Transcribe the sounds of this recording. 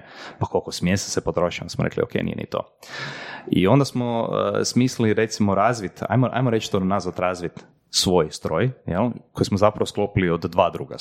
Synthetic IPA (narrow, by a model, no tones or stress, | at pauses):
pakʰolkosmjesḁsepot̪ɾoʃia̰nsmoɾeklḭokḛjnḭjenḭt̪o̰ | ḭo̞nd̪asmo̰smisliɾet̪simoɾazʋit̪a̰jmoʔa̰jmoɾet͡ʃt̪onazʋat̪ɾazʋit̪ | sʋo̞jst̪ɾo̞jjelkojismozapɾaʋosklopiliod̪ːʋaːd̪ɾuːɡa̰